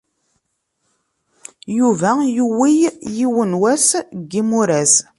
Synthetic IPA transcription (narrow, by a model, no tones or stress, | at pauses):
juvæjuwijjiwənwæsɡːimuɾæs